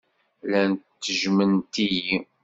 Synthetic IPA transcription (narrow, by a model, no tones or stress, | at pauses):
lænːəʒmənt̪iji